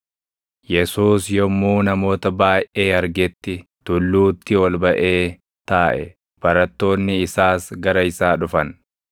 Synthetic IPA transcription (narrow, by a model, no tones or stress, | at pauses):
jɛsuːsjɔmːuːnɐmo̞ːt̪ɐbaːjʔʔe̞ːɐɾɡɛt̪ːɪ | t̪ʊlːuːt̪ːɪɔlbɐʔe̞ː | t̪aːʔɛ̰ | b̥ɐɾɐt̪ːo̞ːnːɪɪsaːsɡɐɾɐɪsaːᶑʊfɐn